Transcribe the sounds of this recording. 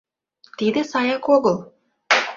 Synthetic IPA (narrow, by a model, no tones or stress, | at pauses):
t̪id̪ɘ̆sɑjɑkoɣɤlˠ